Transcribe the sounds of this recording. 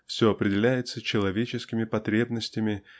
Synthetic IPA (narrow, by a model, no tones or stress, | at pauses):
fsʲoɐpɾʲɪdʲɪlʲæjɪt̪sət͡ɕɪlˠɐvʲet͡ɕɪskʲɪmʲɪpɐt̪ɾʲe̞bnəsʲtʲɪmʲɪ